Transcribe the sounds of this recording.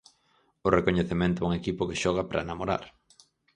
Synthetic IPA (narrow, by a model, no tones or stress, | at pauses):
ʊrekoɲeθemẽnt̪ʊɛuŋekipʊkɪʃɔɣ̞apɾa̰enamoɾa̰ɾ